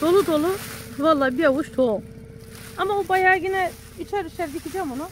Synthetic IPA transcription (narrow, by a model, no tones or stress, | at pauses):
d̪̥olˠud̪olˠuvalˠːaːbijawuʃt̪ʰo | amaubajaːɡinɛ | it͡ʃʰɛɾiʃɛɾd̪it̪ʲʰid͡ʒɛmonu